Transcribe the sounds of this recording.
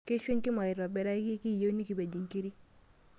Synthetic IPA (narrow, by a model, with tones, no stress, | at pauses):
ke˦ʃwe˦ɲki˦ma˨ɪ˨ɾɔ˨bɛ˦ɾa˦ki˦ki˦˨jo˦ni˦ki˨ba˨d͡ʒi˨ŋki˦ɾi˦